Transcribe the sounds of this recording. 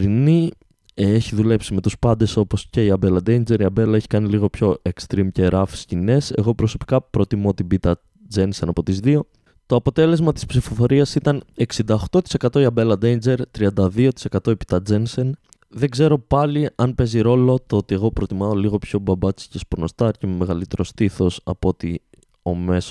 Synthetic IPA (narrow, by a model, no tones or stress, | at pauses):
ɾini | eçiðule̞psime̞t̪uspɐnd̪e̞so̞po̞sce̞iɐbe̞lɐd̪ejnd͡ze̞ɾiɐbe̞lɐeçi̥kɐniliɣo̞pço̞ʔe̞kst̪ɾimce̞ɾɐfi̥scine̞se̞̰ɣo̞pɾo̞so̞pi̥kɐpɾo̞t̪imot̪ibit̪ɐ | d͡zensenɐpo̞t̪izðio̞ | t̪o̞ɐpo̞t̪e̞le̞zmɐt̪i̥spsifo̞fo̞ɾiɐsit̪ɐne̞ksind̪ɐoxt̪o̞t̪ise̞kɐt̪oiɐbe̞lɐd̪ejnd͡ze̞ɾt̪ɾiɐnd̪ɐðio̞t̪i̥se̞kɐt̪o̞epi̥t̪ɐd͡zensen | ðe̞ɡze̞ɾo̞pɐliɐnpe̞ziɾo̞lo̞t̪oot̪ie̞ɣo̞pɾo̞t̪imɐoliɣo̞pço̞bɐbɐt͡si̥cespuno̞st̪ɐɾcememe̞ɣɐlit̪e̞ɾo̞st̪iθo̞sɐ̰poo̞t̪i | o̞me̞s